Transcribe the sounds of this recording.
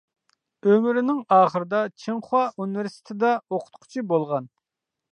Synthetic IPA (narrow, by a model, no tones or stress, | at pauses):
ømyɾɪnɪŋɑːχəɾɨd̪ɑt͡ʃʰeŋχʊɑʔuniveɾsi̥t̪ʰɪd̪ɑoqʰʊ̥t̪qʰʊ̥t͡ʃʰibolˠʁɑn